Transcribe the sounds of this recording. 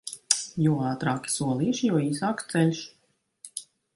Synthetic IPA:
juːɑːt̪ɾaːkʲi̥suɔlˠiːʃjuɔiːsaːk̪t̪sɛlʲʃ

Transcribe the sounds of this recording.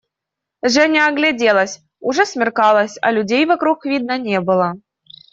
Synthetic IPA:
ʐɛnʲaɐɡlʲadʲelˠəsʲ | ʊʐɛsmʲɪrkɑlˠəsʲɐ̰lʲʊdʲejvɐkɾuxvʲid̪̚nənʲebɨlˠə

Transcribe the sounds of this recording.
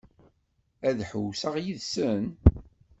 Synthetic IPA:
æðħəwsəʁjiðsən

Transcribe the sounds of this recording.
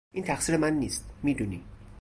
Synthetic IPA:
ʔiːnt̪ʰæxsiːɾemænːiːst̪miːd̪uniː

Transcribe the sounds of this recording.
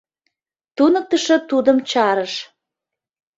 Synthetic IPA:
t̪unək̚t̪əʃɤ̆t̪ud̪əmt͡ɕɑɾəʃ

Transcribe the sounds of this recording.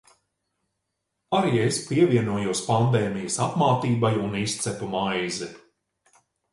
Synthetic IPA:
aɾiːespʲiɛviɛnuɔjuɔspand̪ɛːmijəsapmaːt̪iːbajunist̪sɛpumajzɛ

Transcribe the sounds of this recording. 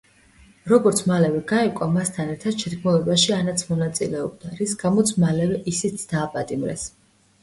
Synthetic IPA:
ɾɔɡɔɾt̪sʰmalɛvɛɡaɛkʼamast̪ʰanɛɾt̪ʰad̪̥ʃʰɛd̪ɡmulˠɛbaʃianat̪sʰmɔnat̪sʼilɛɔb̚d̪aɾisɡ̥amɔt̪sʰmalɛvɛʔisit̪sʰd̪̥aːpʼat̪ʼimɾɛ̰s

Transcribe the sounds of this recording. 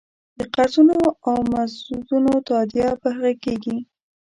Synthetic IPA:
d̪̥əqaɾt̪unoawmasud̪unot̪ɑd̪japəɦaɣakeɡi

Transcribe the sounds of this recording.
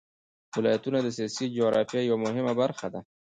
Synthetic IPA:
wɪlɑjat̪unad̪əsijɑsid͡ʒoɣɾɑ̰fjɑjawamʊɦɪmabaɾxad̪a

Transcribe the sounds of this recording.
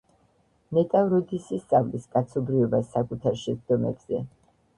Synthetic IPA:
nɛt̪ʼavɾɔd̪isist̪sʼavliskʼat̪sʰɔbɾiɔbasːakʼut̪ʰaɾʃɛd̪ɔmɛ̰bz̥ɛ

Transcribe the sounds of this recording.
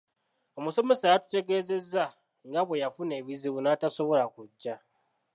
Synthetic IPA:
o̞muso̞me̞saːjatu̥te̞ɡe̞ːze̞zːa | ŋɡaβwe̞jafune̞βiziβunataso̞βo̞lakuɟːa

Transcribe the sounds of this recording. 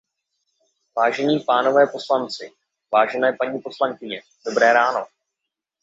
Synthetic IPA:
vaːʒɛɲiːpaːno̞vɛːpo̞slant͡sɪ | vaːʒɛnɛːpaɲiːpo̞slaŋkɪɲɛ | d̥o̞bɾɛːɾaːno̞

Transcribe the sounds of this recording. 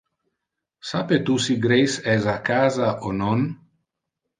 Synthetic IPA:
sapet̪usiɡɾejsɛsakaːzaʔonon

